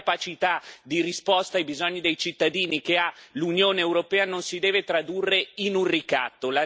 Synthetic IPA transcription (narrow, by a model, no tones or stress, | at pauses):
pat͡ʃit̪ad̪irispɔst̪aːjbizɔɲːid̪ejt͡ʃit̪ːad̪iːnikealunjoːneːwɾopɛːanonsid̪ɛːvet̪ɾad̪urːeinunrika̰t̪ːola